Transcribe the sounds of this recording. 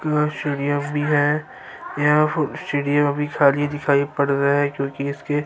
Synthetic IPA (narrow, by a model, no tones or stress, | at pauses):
kasʈeːɖijəmbʱiɦɛ | jafʊsʈeːɖijə̃mbʱikʰaːlied̪ɪkʰaːipɐɽɾaɦɛkjõːkiɪske